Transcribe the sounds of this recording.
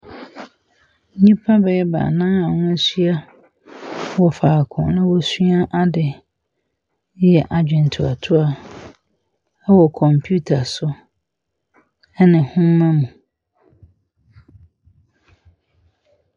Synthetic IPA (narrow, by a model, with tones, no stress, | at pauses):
ɲĩ˦pʰa˦bɛ˨ɛ˦ba̰˨nãː˦a˨nʊ̃˦ɛ˦sɥa˦ | wɔ˨faː˨kʰʊ̰̃˨nʊ̃˦wɔ˦su˦a˦ʔa˦dɪ˨˦ | jɛ˨ʔa˨d͡ʑᶣɛ̃˨n˨tʰu˨a̰˨tʰʊ˦a˨ | ɛ˦wɔ˨kʰɔ̃˨mpʰju˦tʰa˨sʊ˦ | ɛ˦nɪ̃˨hʊ̃˦m˦mã˦mũ˨